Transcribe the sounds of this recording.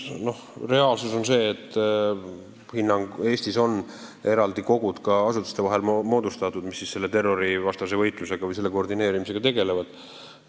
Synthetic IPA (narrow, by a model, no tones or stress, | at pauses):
no̞hre̞ɑːlsuso̞nse̞ːt̪ːˑ | hinːɑŋɡe̞ːst̪iso̞n | e̞ɾɑld̪iko̞ɡud̪̥kɑɑsut̪ːˑu̥st̪evɑɦe̞lmo̞ːd̪ust̪ɑt̪ːˑud̪̥misːisse̞lːet̪e̞rːo̞ɾivɑst̪ɑse̞vɤ̞jt̪ˑluse̞ɡ̥ɑvɤjse̞lːe̞kord̪ine̞ːɾimise̞ɡ̥ɑt̪e̞ɡe̞le̞vɑd̪̥